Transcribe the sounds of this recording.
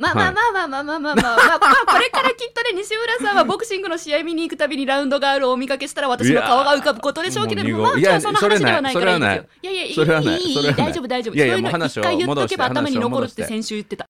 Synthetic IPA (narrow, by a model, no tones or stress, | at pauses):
maːaːmaːmaːmaːmaːmaːamaako̞ɾe̞kaɾakʲit̪ːoneɲ̟iɕimɯ̟ɾasãɰ̃βabo̞kɯ̟̥ɕĩŋɡɯ̟no̞ɕijaimʲiɲ̟iːkɯ̟t̪abʲiɲ̟iɾãɯ̟̃nd̪o̞ɡaːɾɯ̟omʲikake̞ɕi̥t̪aɾaβat̪ainokaoɡaɯ̟kabɯ̟̥ko̞t̪o̞d̪e̞ɕo̞ːke̞ɾedojaonaɾeanaisoaeanaijojajaisoɾeβana̰ioɾeadaid͡ʑoːbɯ̟d̪aiʑo̞ːbjajaj̪oanaɕikːaijɯtd̪eke̞baːamaɲinoko̞ɾɯt̪ːesẽ̞ɰ̃ɕɨːjɯt̪ːe̞t̪a